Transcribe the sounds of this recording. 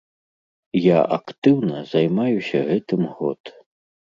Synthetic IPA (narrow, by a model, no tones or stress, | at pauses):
jaʔɐ̰kt̪ɨwnɐzɐjmajusʲɐɣɛt̪ɨmɣɔ̰t̪